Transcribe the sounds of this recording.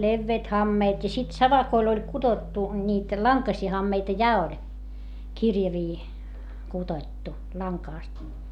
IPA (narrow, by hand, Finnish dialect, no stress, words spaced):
leʋːeːt hɑmːeːt jɑ sit sɑʋɑkoil olʲ kud̥otːu nʲiːt lɑŋkɑsiː hɑmːeitɑ jɑ olʲ kirjɑʋiː kud̥oĭtːu lɑŋkɑˑst